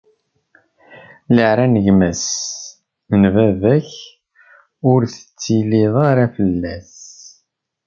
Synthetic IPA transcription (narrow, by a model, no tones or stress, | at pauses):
ləʕɾanəʝmæs | nvævæç | ʊɾθə̥t͡sːiliðˤɑɾæfəlːæs